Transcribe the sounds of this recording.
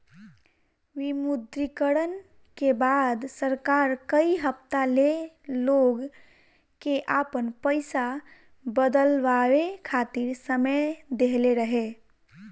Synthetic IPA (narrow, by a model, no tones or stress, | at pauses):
ʋimud̪ɾikəɾən | kebad̪səɾkaɾkəiɦəp̚t̪ale | loɡ | keʔapənpəɪsa | bəd̪əlʋaʋekʰat̪iɾsəməjd̪eɦleɾəɦe